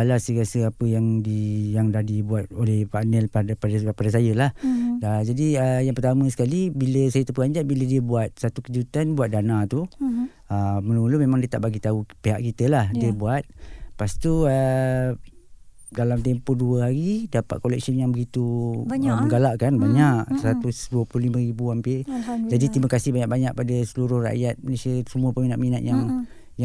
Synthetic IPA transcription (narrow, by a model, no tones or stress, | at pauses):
alasəɾasəapəjaŋdijaŋdahdibuat̪̚olɛhpanɛlppadpadas̬ajəlahəd͡ʒadiəjaŋpərt̪amə̃sə̥kalibiləsajət̪əpəɡaɲd͡ʒaʔ̪̚bilədiəbuat̪̚sat̪ukəd͡ʒut̪anbuat̪̚danat̪u | əmənulumemãŋdiət̪a̰ʔbaɡit̪aupeɦaʔkit̪əlahdiəbuat̪̚past̪uə | dalamt̪ɛmpoduəɦaɾidapa̰t̪̚kolɛk̚sənjaŋbəɡit̪u | məŋɡalaʔkanbaɲaʔsat̪usduəplʊhlimə̃ɾibuɦamped͡ʒadit̪imakasɪhbaɲaʔ̚baɲak̚padasəluɾʊhra̰ʔjat̪̚məlesiəsəmuəpəminat̪̚minat̪̚jaŋ | ja